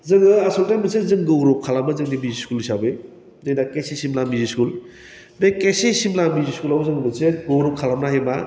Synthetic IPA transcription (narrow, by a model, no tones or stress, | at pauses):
zɯŋɯasɔltajmbɯsezɯŋɡɯwɾɔp̚kʰalamazɯŋdimiziskulisabe | zɯjdakesesimlamiziskul | bekesesimlamiziskulawzɯŋmɯseɡowɾɔp̚kʰalamnaɦema